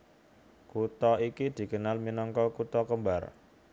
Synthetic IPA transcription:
kut̪ɔikid̪̥i̤kənalminɔŋkɔkut̪ɔkəmbar

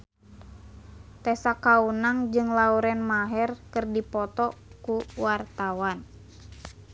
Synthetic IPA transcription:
t̪ɛsakaunaŋd͡ʒɨŋlauɾɛnmaɦɛrkərdipɔt̪ɔkuwart̪awan

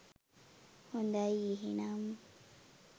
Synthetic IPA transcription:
hundajiɦḭnamu

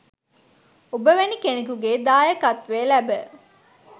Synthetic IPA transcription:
obəʋenikenekuɡeːd̪aːjəkat̪ʋeːlæbə

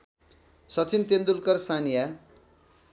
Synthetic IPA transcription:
sʌt͡sint̪end̪ulkʌrsanija

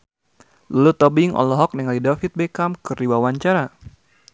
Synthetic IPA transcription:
lulut̪ɔbɪŋɔ̰lɔɦɔk̚nɛŋalidafit̪̚bɛkamkɨriwawaɲt͡ʃaɾa

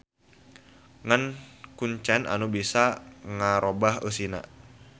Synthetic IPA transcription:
ŋankuɲt͡ʃɛna̰nubisaŋaɾobaɦəsina̰

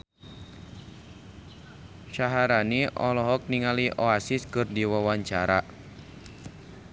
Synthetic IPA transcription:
ʃaɦaɾaniʔɔlɔɦɔk̚niŋaliʔɔasiskɨrdiwawaɲt͡ʃaɾa

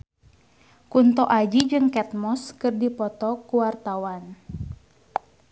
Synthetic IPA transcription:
kunt̪ɔʔad͡ʒid͡ʒɨŋkɛt̪̚mɔskɨrdipɔt̪ɔkuwart̪awan

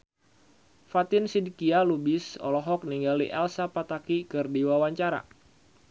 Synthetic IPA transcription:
fat̪ɪnsidikialubɪsɔ̰lɔɦɔk̚niŋɡalḭʔɛlsapat̪akikɨrdiwawaɲt͡ʃaɾa̰

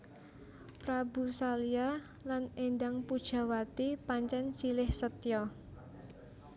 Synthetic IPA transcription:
pɾabṳsalia | lanendaŋpud̥ʒ̥a̤wat̪ipaɲt͡ʃɛnsilɪhsət̪jɔ

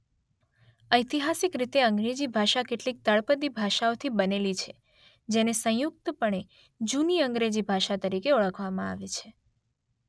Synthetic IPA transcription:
əjt̪iɦasɪkɾit̪eəŋɡɾed͡ʒibʱaʃakeʈlik̚t̪əɭpəd̪ibʱaʃaot̪ʰibənelit͡ʃʰe | d͡ʒenesə̃juk̚t̪pəɳe | d͡ʒuniəŋɡɾed͡ʒibʱaʃat̪əɾikeuɭəkʰʋamãa̰ʋet͡ʃʰe

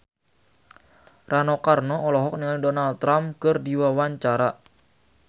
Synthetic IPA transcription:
ranɔkarnɔɔlɔɦɔk̚niŋadɔnald̪̚t̪ɾamkərdiwawaɲt͡ʃaɾa

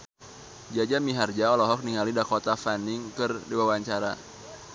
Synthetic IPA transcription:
d͡ʒad͡ʒamiɦard͡ʒaɔlɔɦɔk̚niŋalidakot̪afanɪŋkɨrdiwawaɲt͡ʃaɾa̰

